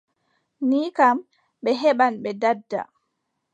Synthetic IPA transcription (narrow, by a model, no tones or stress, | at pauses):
niːkam | ɓɛɦɛɓanɓɛdadːa̰